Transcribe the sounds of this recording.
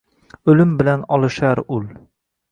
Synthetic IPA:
ɵ̆lɘmbɘ̆lænɒlˠɤ̆ʃɑɾʉl

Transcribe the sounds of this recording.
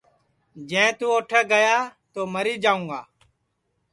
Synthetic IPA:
d͡ʒɛ̃ːt̪uːoːʈʰeːɡəjaːt̪oːməɾiːd͡ʒaːũːɡa̰ː

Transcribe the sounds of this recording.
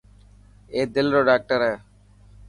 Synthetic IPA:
eːd̪ɪlɾoːɖaːk̚ʈəɾɛː

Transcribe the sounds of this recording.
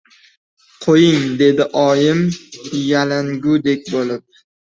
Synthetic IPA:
qʰojɪŋd̪e̞d̪ɪʔɒjɪmjalaŋɡʲʊd̪e̞kʲbolɪp̚

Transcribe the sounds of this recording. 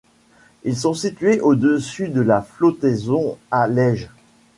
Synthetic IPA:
ils̬ɔ̃sit̪ɥeʔod̪əsyd̪əlaflot̪ɛzɔ̃alɛʒ

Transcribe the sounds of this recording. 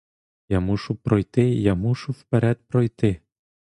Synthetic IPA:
jamuʃʊpɾɔjt̪ɪjamuʃʊwpeɾɛd̪̚pɾɔjt̪ɪ

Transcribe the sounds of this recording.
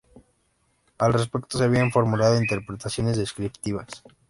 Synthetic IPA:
alre̞s̬pe̞kt̪oseaβ̞iaɱfo̞ɾmulað̞o̞int̪e̞ɾpɾe̞t̪asjo̞ne̞zðeskɾipt̪iβas

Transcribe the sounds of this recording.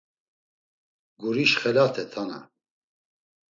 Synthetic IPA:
ɡuɾiʃχɛlat̪ʰɛt̪ʰana̰

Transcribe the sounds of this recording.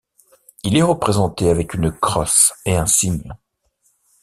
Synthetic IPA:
ilɛʁəpχezɑ̃t̪eavɛkynkχɔseɛ̃siɲ

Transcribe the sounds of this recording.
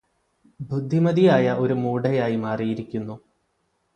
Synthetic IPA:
bʱud̪ʱːimɐðijaːjɐʔo̞ɾumuːɖɐjaːjimaːrijiɾikʲːunːu

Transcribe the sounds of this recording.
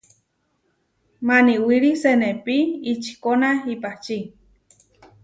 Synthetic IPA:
maniwiɾisenepiit͡ʃi̥konahipat͡ʃi

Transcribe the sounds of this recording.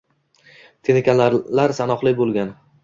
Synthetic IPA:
t̪ʰenekʲanlaɾlaɾsanɒχlˠɪbolˠɡʲan

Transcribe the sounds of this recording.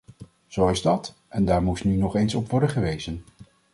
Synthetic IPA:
z̥owɪzdɑt | ʔɛndaːɹmusnynɔχejnsɔpʋɔɹdənχəʋejzən

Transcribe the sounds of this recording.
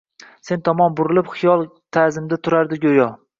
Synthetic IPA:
se̞nt̪ʰɒmɒnbʊɾɪlɪpχɪjɒlˠt̪ʰazɪmd̪at̪ʰʊɾaɾd̪ɪɡʲojɒ

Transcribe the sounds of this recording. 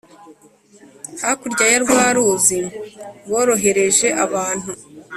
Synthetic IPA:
hakuɾɟajaɾɡwaːɾuziβo̞ːɾo̞ɦe̞ɾe̞ʒe̞ʔaβaːn̥hu

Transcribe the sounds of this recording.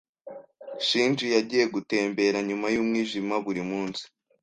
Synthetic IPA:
ʃiːnd͡ʒijaɟiːje̞ɡute̞ːmbe̞ɾaɲumajuːmŋiːʒimaβuɾimuːnsi̥

